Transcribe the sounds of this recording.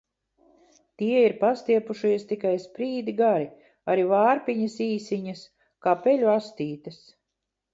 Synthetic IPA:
t̪iɛiɾpast̪iɛpuʃiɛst̪ikajspɾiːd̪iɡaɾi | aɾivaːɾpʲiɲɐsiːsiɲɐs | kaːpɛlʲuast̪iːt̪ɐs

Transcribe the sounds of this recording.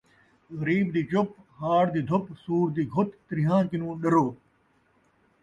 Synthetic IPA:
ɣɐɾiːbd̪iːt͡ɕop | haːɽd̪iːd̪ʱʊpsuːɾd̪iːɡʱʊt̪ːɾɪɦãːkɪnũːɗɐɾoː

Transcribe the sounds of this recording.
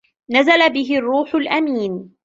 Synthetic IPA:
nazalabɪɦɪrˤːuːħʊlʔamiːn

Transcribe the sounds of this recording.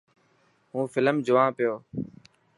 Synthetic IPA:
ɦũːfɪləmd͡ʒʊʋãːpɪjoː

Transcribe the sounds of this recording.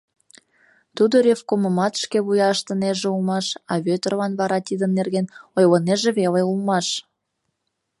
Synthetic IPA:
t̪ud̪oɾʲefkoməmɑt̪ʃkeβujɑəʃt̪ə̆neʒeulmɑʃɑβøt̪ərlɑnβɑɾɑt̪id̪ənːerɣenojləneʒeβeleulmɑʃ

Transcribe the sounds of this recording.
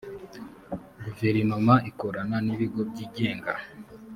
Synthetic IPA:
ɡuve̞ɾinomaʔiko̞ɾananiβiɡo̞b̚ɟiːɟe̞ːŋɡa̰

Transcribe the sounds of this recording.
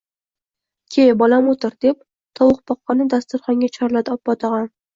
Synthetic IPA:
kʲʰejbɒlamot̪ʰɪɾd̪ep̚ | t̪ʰɒwʊχpɒqːɑnɪd̪ast̪ʊɾχɒŋɡʲat͡ʃʰɒɾlad̪ɒpːɒt̪ʰɑʁɑn

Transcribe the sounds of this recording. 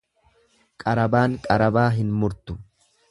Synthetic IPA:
kʼɐɾɐbaːŋkʼɐɾɐbaːɦɪnmʊɾt̪ʊ̥

